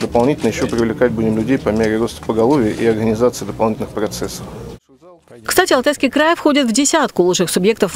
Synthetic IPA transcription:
d̪əpɐlˠnʲitʲɪlʲnəjɪɕːopɾʲɪvlʲɪkat̚ʲbudʲɪmlʲʉdʲejpɐmʲeɾʲɪɾo̞st̪ə̥pəɡɐlˠovʲɪjəʔiɐrɡənʲɪzat̪sɨɪd̪əpɐlˠnʲitʲɪlnxpɾɐt̪sɛsːə̥f | kst̪atʲɪɐlˠt̪ajskʲɪjkɾajfxo̞dʲɪt̪vdʲɪsʲat̪kʊlˠuʂɨxsʊbje̞k̚t̪əf

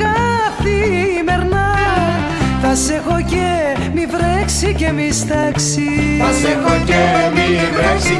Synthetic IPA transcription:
ɐfθimeɾnɐ | θɐsexoce | mivɾeksicemist̪ɐks | iθɐsexocemivɾeksi

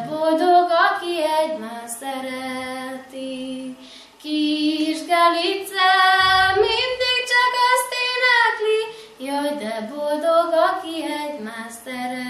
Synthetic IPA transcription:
bod̪oɡɒkiɛɟmast̪ɛɾɛlt̪i | kiʒɡalit̪samind̪iɡ̚t͡ʃɒkɛst̪eːnakli | jod̪ɛbold̪oɡɒkiɛɟmast̪ɛɾ

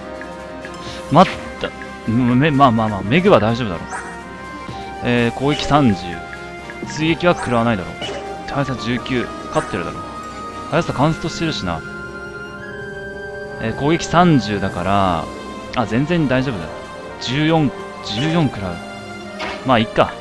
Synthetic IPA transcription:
mat̪ː | a | memaːmaːmaːme̞ɡɯ̟βad̪aiʑo̞ːbɯ̟d̪a̰ɾo̞̰ː | eːko̞ːɡe̞kʲi̥sãɲd͡ʑɨ̰ː | sɨie̞kʲiβakɯ̟ɾaβanaid̪aɾo̞̰ː | t̪ajsad͡ʑɨːkʲɨː | kat̪ːeɾɯ̟d̪a̰ɾo̞̰ː | hajasɨ̥akãɰ̃se̥t̪oɕi̥t̪eɾɯ̟ɕina̰ | eːko̞ːɡe̞kʲi̥sãɲd͡ʑɨːd̪akaɾa̰ | azẽ̞nd͡zẽ̞ɲd̪aiʑo̞ːbɯ̟d̪a̰ɾo̞̰ | d͡ʑɨːjõ̞ŋ | d͡ʑɨːjõ̞ŋkɯ̟ɾaɯ̟ | maːikːa

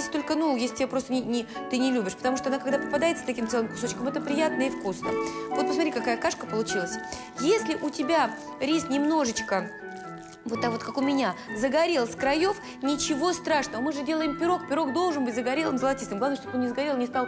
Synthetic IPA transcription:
sʲt̪o̞lʲkənujesʲlʲɪtʲɪbʲapɾost̪ənʲɪnʲɪt̪ɨnʲɪlʲubʲɪʂpət̪ɐmuʂt̪oɐnakɐɡd̪apəpad̪ajɪt̪sə̥t̪ɐkʲimt̪sɛlˠɨmkʊ̥so̞t͡ɕkəmɛt̪əpɾʲɪjat̪̚nəifkusnə̰vo̞t̪̚pəsmɐt̪ʲɾʲikakajəkaʂkəpəlˠʊt͡ɕilˠəsʲ | jesʲlʲɪʔʊtʲɪbʲa | ɾʲisnʲɪmno̞ʐɨt͡ɕkə | vot̪ːakvo̞t̪kakʊmʲɪnʲazəɡɐɾʲe̞lˠskɾɐjo̞f | nʲɪt͡ɕɪvo̞st̪ɾaʂnəvəmɨʐɨdʲe̞lˠəɪmpʲɪɾo̞kpʲɪɾo̞kd̪o̞lˠʐɨnbɨtʲzəɡɐɾʲelˠɨmzəlˠɐtʲist̪ɨmɡ̪ˠavnəʂt̪ot̪onʲɪzəɡɐɾʲe̞lˠnʲɪst̪alˠ

